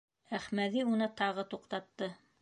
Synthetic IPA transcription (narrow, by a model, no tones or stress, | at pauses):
æχmæðiunɤt̪ɑʁɤt̪uqt̪ɑt̪ːɤ